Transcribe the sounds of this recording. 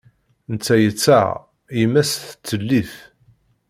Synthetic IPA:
nt͡sːæjət͡sːæ̰ | jəmːæsθət͡sːəlːiθ

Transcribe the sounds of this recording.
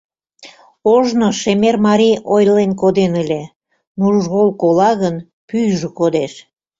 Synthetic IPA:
oʒnoʃemermɑɾʲijojlenkod̪enəlʲe | nuʒɣolkolɑɣən | pyjʒokod̪eʃ

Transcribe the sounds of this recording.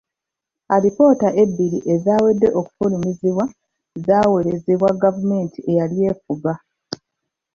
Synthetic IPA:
aɾipo̞ːtaʔe̞bːiɾiʔe̞zaːwe̞dːe̞ʔo̞ku̥fulimiziβwa | zaːwe̞ɾe̞zeβwaɡavume̞ːntiʔe̞jalije̞ːfuɡa

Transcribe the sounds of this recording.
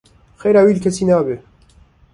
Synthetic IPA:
xeɾawilkesinaːbe

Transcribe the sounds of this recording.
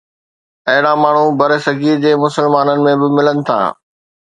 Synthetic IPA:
ɐɦɪɽamaːɳ̤ũbɐɾesɐɡʱiːɾd͡ʑeːmʊsəlmaːnənɪ̆mẽbɪmɪlənɪ̆t̪ʰa̰ː

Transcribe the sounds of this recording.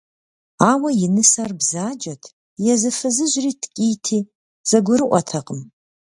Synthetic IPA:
aːwɐjɪnɨsarbzaːd͡ʒɐtʰ | jɛzɨfɨzɨʒriːtʰkʲʼijtʰiː | z̥ɐɡʷʊɾɨʔʷɔtʰɐqʼəm

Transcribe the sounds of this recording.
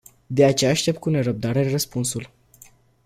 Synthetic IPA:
d̪e̞at͡ʃe̞jaːʃt̪e̞p̚t̪̚kune̞ɾəb̚d̪aɾerəspunsul

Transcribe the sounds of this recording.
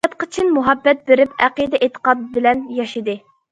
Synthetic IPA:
ɛt̪̚qʰɨ̥t͡ʃʰinmuɦɑbːɛt̪̚beɾɪpæqid̪ɛʔet̪ʰə̥qɑd̪̚bɪlɛnjɑʃid̪ɨ

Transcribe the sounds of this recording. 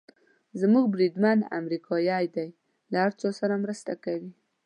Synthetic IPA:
zmuɡ̚bɾid̪mana̰mɾikʰɑjɑjd̪aj | lahaɾt͡sosaɾamɾəst̪akawi

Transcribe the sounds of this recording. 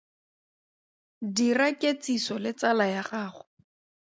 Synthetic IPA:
dirakʼet͡sisɔlɪt͡salajaχaːχʊ

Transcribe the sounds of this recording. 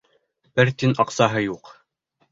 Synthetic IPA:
b̥ɘɾt̪inɑqsɑɦɤjuq

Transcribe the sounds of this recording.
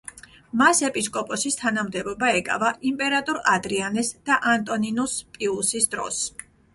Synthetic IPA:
masɛpʼiskʼɔpʼɔsist̪ʰanamd̪ɛbɔbaɛkʼa̰vaʔimpʼɛɾat̪ʼɔɾad̪ɾianɛsd̪̥aʔant̪ʼɔninuspʼiusisd̪ɾɔ̰s

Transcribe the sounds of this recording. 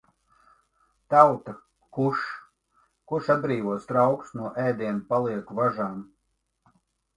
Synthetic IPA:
t̪awt̪a | kuʃ | kuʃad̪̚bɾiːvuɔst̪ɾawksnuɔʔɛːd̪iɛnpalˠiɛkuvaʒaːm

